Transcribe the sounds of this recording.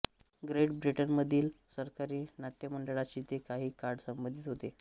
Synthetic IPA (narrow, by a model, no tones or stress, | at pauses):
ɡɾeʈbɾiʈənməd̪ʱiːlsəɾkaɾiːnat̪jəməɳɖəɭat͡ɕiːt̪ekaɦiːkaɾɽsəmbənd̪ʱit̪ɦot̪e